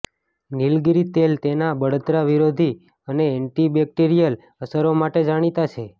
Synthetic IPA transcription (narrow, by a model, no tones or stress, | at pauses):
nilɡiɾit̪elt̪enabəɽət̪ɾaʋiɾod̪ʱi | əneɛɳʈibɛk̚ʈiɾijəl | əsəɾomaʈed͡ʒaɽ̃it̪at͡ʃʰe